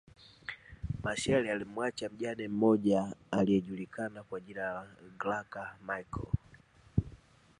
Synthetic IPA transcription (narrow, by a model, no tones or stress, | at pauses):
maʃɛlialimwat͡ʃam̩ʄanɛm̩mɔʄaalijɛʄulikʰanakwaʄilaaaɡlakamaikɔ̰